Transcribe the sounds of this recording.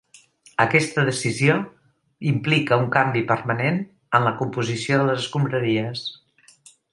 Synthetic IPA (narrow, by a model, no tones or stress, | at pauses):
əkɛst̪əðəsizio | implikəuŋkambipəɾmənen | ənləkumpuzisioðələzəskumbɾəɾiəs